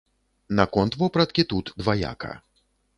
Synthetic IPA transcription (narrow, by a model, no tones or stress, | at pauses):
nakɔnt̪vɔpɾɐt̪̚kʲit̪ut̪d̪vaja̰kɐ̰